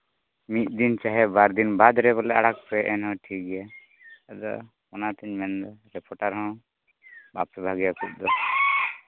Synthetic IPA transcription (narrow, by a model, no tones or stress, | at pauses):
mit̪̚d̪int͡ʃaɦɛbaɾd̪inbad̪ɾɛbɔlɛaɽak̚pɛʔɛnɦɔ̃ʈʰik̚ɡɛja | ad̪ɔ̰ | ɔnat̪ɛɲmɛnd̪ɔɾɛpɔʈaɾɦɔ̃ | bapsɔbʱaɡijakʰut̪̚d̪ɔ